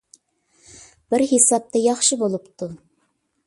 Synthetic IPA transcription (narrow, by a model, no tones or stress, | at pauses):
b̥ɪɾhisɑp̚t̪ɑjɑχʃəbolˠɨpt̪ʊ